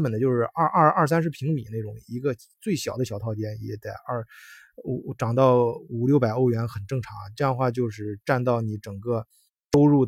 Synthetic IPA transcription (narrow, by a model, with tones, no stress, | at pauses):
mpə˨˩nd̪ə˦t͡ɕjo˥˧ʊʂɻ̩˥˧ʔʔɐ˥˩a˥˩s̬a˥nʂ̬ɻ̩˥pʰi˧˥ŋmḭ˨˩˦ne˥˩ʊ˨˩ŋi˧˥ɡə˧ | t͡swe˥˩ɪɕjɑ˨˩ʊd̪ə˦ɕjɑ˨˩ʊt̪ʰɑ˥˧ʊt͡ɕjɛ˥njɛ̰˧˥t̪we˥˩ɐ˥˧˩ | ʈ͡ʂɑ˨˩ŋt̪ɑ˥˩ʊu˨˩ljo˥˧ʊpa˨˩ɪo˥˩ʊɥɛ˧˥nxə˨˩nʈ͡ʂɤ˥˩ŋʈ͡ʂʰɑ˧˥ŋ˧ʈ͡ʂɤ˥˧jɑ˥˧əxwa˥˧t͡ɕjo˥˧ʊʂɻ̩˥˧ʈ͡ʂa˥˧nt̪ɑ˥˩ʊni˧˥ʈ͡ʂɤ˨˩ŋɡə˥˧ | to˥ʊɻu˥˩